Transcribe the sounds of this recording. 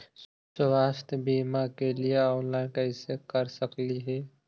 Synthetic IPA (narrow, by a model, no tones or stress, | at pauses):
səʋaːst̪əbimakelieɔːnlaːɪnkəɪsekəɾsəkliɦɛː